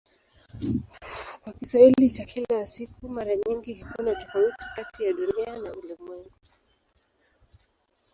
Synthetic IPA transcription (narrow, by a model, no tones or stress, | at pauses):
kwakiswahilit͡ʃakʰɛlaasikumaɾaɲiŋɡiɦikunatɔfauti̥katijaɗunianaulɛmwɛŋɡu